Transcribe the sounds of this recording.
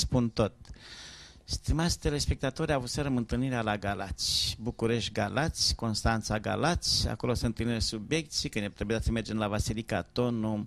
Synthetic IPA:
spunt̪o̞t̪̚ | st̪imat̪sʲt̪e̞le̞spe̞k̚t̪at̪o̞ɾʲavut̪seɾəmɨnt̪ɨlniɾealaɡalat̪sʲbukuɾe̞ʃt̪̚ʲɡalat̪sʲko̞nst̪ant̪saɡa̰lat̪sʲa̰ko̞losɨɨnt̪ɨlniɾesubje̞k̚t̪sijkɨnet̪ɾebujat̪səme̞rd͡ʒe̞mlavasilikat̪o̞nu

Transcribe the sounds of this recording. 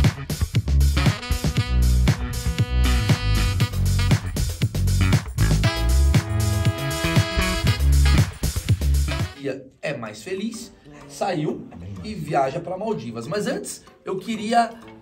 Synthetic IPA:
d͡ʒiɐ | ɛmajsfelis | saiwɪviaʒɐpɾɐmawd͡ʒivɐsmɐzɐ̃nt͡ʃɪ̥sewkɪɾiɐ

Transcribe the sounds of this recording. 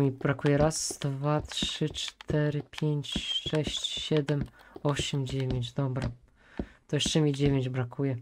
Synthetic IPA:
mʲibɾakujɛɾasd̪vatʂɘt͡ʂt̪ʰɛɾɘpʲjeɲt͡ɕʂɛɕt͡ɕɕɛd̪ɛmɔɕɛmd͡ʑevʲjeɲd͡ʑd̪ɔbɾa | t̪ɔjɛt͡ʂɛmʲid͡ʑevʲeɲd͡ʑbɾakʰujɛ

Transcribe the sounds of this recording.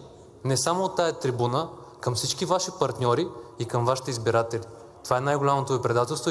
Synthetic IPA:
nɛsamoːt̪ːaɛt̪ɾibunə | kəmfsit͡ʃkivaʃipɐɾt̪nʲɔɾiːkəmvaʃi̥t̪ɛizbiɾat̪ɛli | t̪ovaɛnajɡʊlʲamot̪ovipɾɛd̪at̪ɛlˠst̪vo

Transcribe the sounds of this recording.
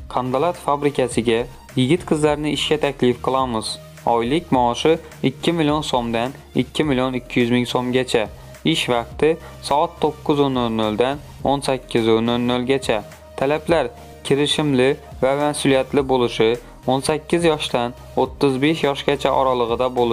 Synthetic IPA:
qʰand̪alˠat̪fabɾɪkʲʰasɪɡʲa | jɪɡʲɪt̪qʰɨzlaɾnɪɪʃkʲat̪ʰakʲlɪfqʰɨlˠamɪz | ɒjlɪkʲmɒːʃɪ | ɪkʲʰːɪmɪlijonsomd̪an | ɪ̰kʲʰːɪmɪlijonɪkʲʰːɪjʏzmɪŋsomɡʲat͡ʃʰa | ɪʃvɑqt̪ɪ | sɒat̪ʰːoqːʊzonːolnolˠd̪an | onsakʲʰːɪzonolnolɡʲat͡ʃʰa | t̪ʰalaplaɾ | kʲʰɪɾɪʃɪmlɪvamasulijat̪lɪbolˠɪʃɪ | onsakʲːɪzjɒʃt̪an | ot̪ʰːɨzbeʃjɒʃɡʲat͡ʃʰaʔɒɾɑlˠɨʁɨd̪abolˠ

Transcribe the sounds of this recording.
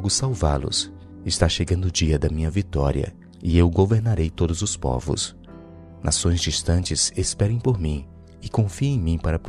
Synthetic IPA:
ɡʊsawvalʊ̰s | ɪst̪aʃeɡɐ̃nd̪ʊd͡ʒiɐd̪ɐmĩɲɐvit̪ɔɾiɐ̰ | ɪewɡoveɾnaɾejt̪od̪ʊzʊspɔ̰vʊ̰s | nʔa̰sõj̃zd͡ʒist̪ɐ̃t͡ʃɪzespɛɾẽj̃poɾmĩ | ɪkõfiẽj̃mĩpaɾɐpɾ

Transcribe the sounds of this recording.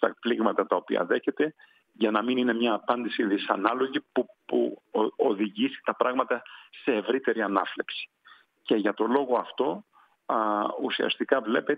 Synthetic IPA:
st̪ɐpliɣmɐt̪ɐt̪ɐo̞piɐ̰ðe̞çe̞t̪e̞ | ʝɐnɐminine̞mɲɐːpɐnd̪isiðisɐ̰nɐlo̞ʝipupṵo̞ðiʝisi̥t̪ɐpɾɐɣmɐt̪ɐse̞ːvɾit̪e̞ɾiɐnɐfle̞psi̥ | ce̞ʝɐt̪o̞lo̞ɣo̞ɐft̪o̞ | usiɐ̰st̪ikɐvle̞pe

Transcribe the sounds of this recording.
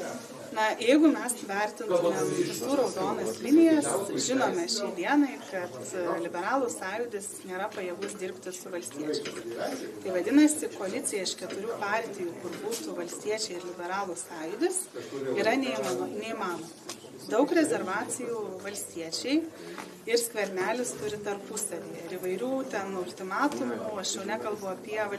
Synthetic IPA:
nɐjɛɪɡʊmʲɛsʋʲɛɾʲt̪ʲɪnomʲɛmʲɪsuːɾoʊzoːnɐslʲɪnʲɪjɛsʒʲɪnoːmʲɛʃʲɛɪd̪ʲiɛnɐɪkɐt̪lʲɪbʲɛɾɑːlˠʊsɑːjʊd̪ʲɪsnʲeːɾɐpɐjɛɡʊsd̪ʲɪɾʲpʲt̪ʲɪsʊʋɐlʲsʲt̪ʲiɛt͡ʃʲɛmst̪ɐɪʋɐd̪ʲɪnɐsʲɪkoːɐlʲɪt͡s̪ʲɪjɛɪʃkʲɛt̪ʊɾʲuːpɑːɾʲt̪ʲɪjuːkʊɾbuːt̪uʋɐlʲsʲt̪ʲiɛt͡ʃʲɛɪɪɾlʲɪbʲɛɾɑːlˠusɑːjʊd̪ʲɪsiːɾɐnʲɛimɑnɐnʲɛimɑːnommɐ | d̪ɐʊkɾʲɛzʲɛɾʋɑːt͡s̪ʲɪjuːʋɐlʲsʲt̪ʲiɛt͡ʃʲɛɪ | ɪɾsʲkʋʲɛɾʲnʲæːlʲɪst̪ʊɾʲɪt̪ɐrpʊsɐʋʲiːjɛɪɾiʋɐɪɾʲuːt̪ʲɛnɐʊlʲt̪ʲɪmɑːt̪ʊmʲuɐʃjʲɛʊnʲɛkɐlˠbʊɐpʲiɛʋɐ

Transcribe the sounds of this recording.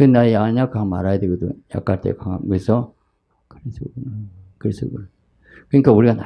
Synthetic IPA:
kɯnajaɲakama̰ɾajadweɡod̪o̰ja̰k͈aɭt͈ʰḛkaŋamkɯesʰʌ | kɯɾesʰɯɡunkɯɾesʰɯɡuna | kɯɲik͈auɾiɡana

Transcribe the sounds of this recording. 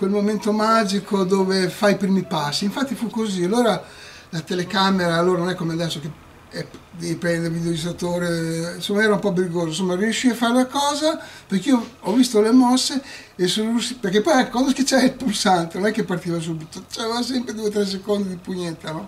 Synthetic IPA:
kwelmoment̪omad͡ʒikod̪oːvefaipɾiːmipasːiːɱfat̪ːifukozialːoːɾa | lat̪elekameɾaːlːoːɾanõnɛkːomead̪ɛsːoke | ɛd̪epɛnd̪evid̪ejod͡ʒisat̪oːɾensomːaɛːɾaumpɔbɾiɡoːzos̬omːarjuʃːiafːaɾelakɔːzaperkioɔvːist̪olemɔsːe | esonolusiperkepːɔjakwand̪osket͡ʃɛilpulsant̪enonɛkːepːart̪iːvas̬ubit̪ot͡ʃɛvas̬ɛmpɾed̪uet̪̬ɾɛs̬ːekond̪id̪ipuɲet̪ːanɔ

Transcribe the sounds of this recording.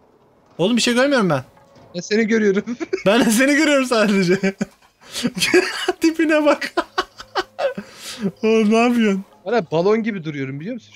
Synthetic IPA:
o̞lˠumbiʃejɡøɾmyjo̞ɾumbæn | ɛse̞niɟøɾyjoɾumbænd̪ɛs̬e̞niɟøɾyjoɾumsaːd̪ed͡ʒɛ | t̪ipinɛbak | onaːbijanbɛnabalˠonɟibid̪uɾujo̞ɾumbilʲijomsn

